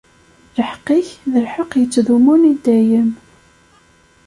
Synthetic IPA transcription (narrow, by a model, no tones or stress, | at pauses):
ləħqːiçðəlħəqjət͡sːðumunid̪æjəm